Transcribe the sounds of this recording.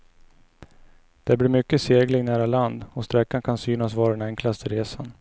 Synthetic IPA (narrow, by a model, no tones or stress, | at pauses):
d̪̥ɛæbliɾmʏkːəseːɡlɪŋnæːɾaland̪ɔst̪ɾɛkːankʰansyːnasvɑːɾad̪ɛnɛŋklast̪əɾeːsa̰n